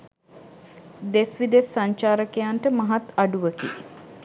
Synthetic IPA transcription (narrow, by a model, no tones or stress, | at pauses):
d̪esʋid̪esːaɲt͡ʃaːɾəkejanʈəmaɦat̪aɖuʋəki